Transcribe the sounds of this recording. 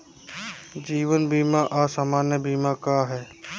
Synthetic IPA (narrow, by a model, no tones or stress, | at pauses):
d͡ʒiːʋənbʱiːmãːʔaːsamaːnjəbiːmãːkaːɦɛː